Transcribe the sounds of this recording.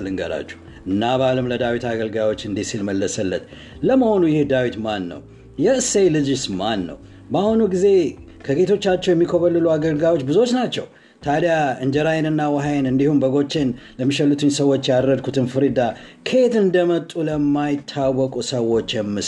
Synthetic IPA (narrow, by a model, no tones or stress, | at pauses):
lɨŋɡə̰la̰t͡ʃːu̥ | ɨnːaβalɨmləd̪awit̪aɡəlɡawo̞t͡ʃːɨnd̪isilməlːəsəlːə̰t̪ | ləməho̞nujɪhd̪awit̪manːə̰w | jɛɨsejlɨd͡ʒsmanːə̰w | bəahunuɡize̞ | kʰəɡe̞t̪ʰo̞t͡ʃːat͡ʃːɛwjɛmːikʰoβəlːɨluaɡəlɡawo̞t͡ʃːbɨzo̞t͡ʃnat͡ʃːɛ̰w | t̪ʰad̪jaɨnd͡ʒəɾajɛnɨnːawəɦajenɨnd̪ihumbəɡo̞t͡ʃːe̞nləmːiʃəlːut̪ʰɨɲsəwo̞t͡ʃːjaɾɾəd̪̚kʰut̪ʰɨnfɨɾid̪akʰe̞t̪ɨnd̪əmət̪ʼːuləmːajɪt̪ʰːawːɔkʼusəwo̞t͡ʃːjɛmːɨ